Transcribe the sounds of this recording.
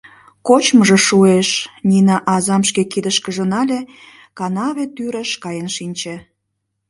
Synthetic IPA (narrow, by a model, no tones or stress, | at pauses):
kot͡ɕməʒĕʃueʃninɑʔɑzɑmʃkekid̪əʃkəʒə̆nɑlʲe | kɑnɑβet̪yɾəʃkɑjənʃinʲt͡ɕĕ